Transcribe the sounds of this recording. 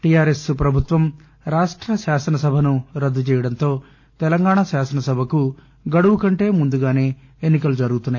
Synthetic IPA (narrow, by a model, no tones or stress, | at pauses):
ʈijaːɾe̞spɾɐbʱut̪ʋɐm | ɾaːʂʈɾɐʃaːsɐnɐsɐbʱɐnuɾɐd̪ːut͡ʃɛːjɐɽɐnt̪o̞ː | t̪ɛlɐŋɡaːɳasaːsɐnɐsɐbʱɐku | ɡɐɽuʋukɐɳʈe̞ːmund̪uɡaːne̞ː | enːikɐlud͡ʒɐɾuɡut̪unːaj